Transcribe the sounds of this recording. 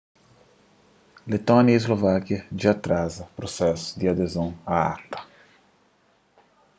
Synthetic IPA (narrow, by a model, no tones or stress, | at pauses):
let̪ɔnjaezlovakjɐd͡ʒat̪ɾazɐpɾosɛsʊ̥d̪iad̪ezõŋaa̰t̪ɐ̥